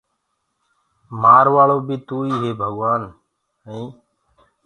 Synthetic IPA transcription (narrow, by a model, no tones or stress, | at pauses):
maːɾʋaːɭoːbiːt̪uːiːɦeːbʱəɡʋaːn | əĩː